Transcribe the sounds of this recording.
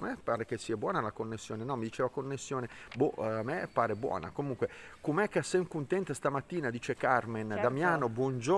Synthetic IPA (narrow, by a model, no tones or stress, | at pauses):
mepaːɾekesiːabwɔːnalakonːesːjoːnenɔmːid̪it͡ʃeːvakonːesːjoːneboamepaːɾebwɔ̰ːna̰komuŋkwekomɛkːeasːɛmkunt̪ɛnt̪ast̪amat̪ːiːnad̪iːt͡ʃekarmend̪amjaːnobwɔnd͡ʒo